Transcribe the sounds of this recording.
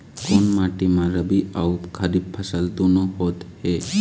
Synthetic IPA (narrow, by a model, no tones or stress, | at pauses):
konmaʈimãɾəbiaupkʰəɾib̚pʰəsəlt̪ũnəɦot̪he